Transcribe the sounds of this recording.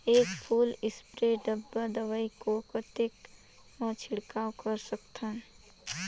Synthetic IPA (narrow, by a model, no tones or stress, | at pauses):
eːkpʰuːlɪspɾeɖəbːəd̪əʋəikopət̪ek | mət͡ʃʰɪɽkaːwkəɾsəkt̪ʰən